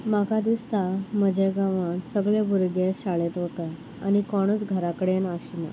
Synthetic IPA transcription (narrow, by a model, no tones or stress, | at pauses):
makad̪ist̪aməd͡ʑʱeɡaʋansəɡɭebʱuɾɡeɕaɭet̪ɦot̪a | a̰ñikɔɽ̃ət͡sɡʱəɾakəɽenaɕina̰